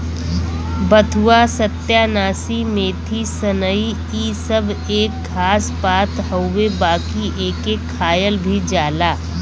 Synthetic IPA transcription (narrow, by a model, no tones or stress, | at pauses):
bət̪ʰuwasɐt̪jaːnaːsimẽːt̪ʰisənəi | iːsɐbeːkʰːaːspaːt̪ɦəʊwebaːkiʔeːkekʰːaːjəlbʱid͡ʒaːlaː